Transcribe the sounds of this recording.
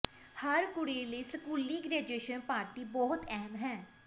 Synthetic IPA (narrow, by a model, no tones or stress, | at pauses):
həɾkʊɽeːləːsəkuːlːiːɡɾɛːd͡ʒueːʃənpaːɾʈiːbɔːɦʊt̪ɛɦɛmɦɛ̃ː